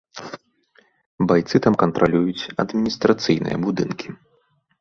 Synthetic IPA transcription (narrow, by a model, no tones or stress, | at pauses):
bajt̪sɨt̪amkɐnt̪ɾʔalʲujut͡sʲɐd̪mʲinʲist̪ɾat̪sɨjnɨ̰jɐ̰bud̪ɨnkʲi̥